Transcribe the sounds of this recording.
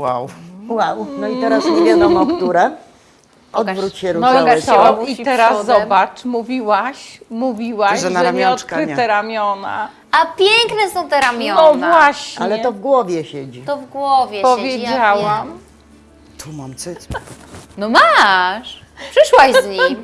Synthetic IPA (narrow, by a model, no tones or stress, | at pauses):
wa̰wwawnɔitɛɾasmuvʲjad̪ɔmɔt̪uɾɛ | ɔdvɾut͡ɕɕɛɾuɔɔt̪ɔitɛɾasːɔbat͡ʂmuvʲiwaɕmuvʲiwaʒɛnaɾamʲɔt̪kɾɨt̪ɛɾamʲjɔna̰ | apʲjɛŋknɛsɔ̃w̃t̪ɛɾamʲjɔɔvwaɕɲalɛɛt̪ɔvɡwɔvʲjɛɕɛd͡ʑit̪ɔvɡwɔvʲjɛpɔvvʲjed͡ʑawam | t̪ʰumamsɨt͡snɔmaʂpʂɛʂwajzɲi